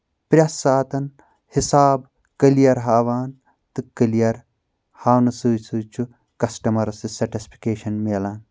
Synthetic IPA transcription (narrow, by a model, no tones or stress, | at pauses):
pɾʲɐsaːt̪ɐn | hisaːb | kɐlijɐɾɦaːʋaːn | t̪ɨkɐlijɐɾ | haːwnɐsuːsuːt͡ʃʰu | kɐsʈɐmɐɾɐsɨsɐɾʈispʰi̥keːʃɐnmeːlaːn